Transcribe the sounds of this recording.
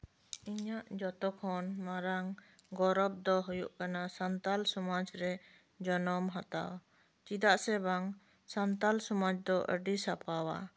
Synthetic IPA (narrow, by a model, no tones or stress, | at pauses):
iɲaʔd͡ʒɔt̪ɔkʰɔnmaɾaŋɡɔɾɔb̚d̪ɔɦujṵʔkanasant̪alsɔmat͡ʃɾɛ | d͡ʒɔnɔmɦat̪a̰w | t͡ʃid̪aʔsɛbaŋ | sant̪alsɔmat͡ʃd̪ɔʔə̰ɖisapawa̰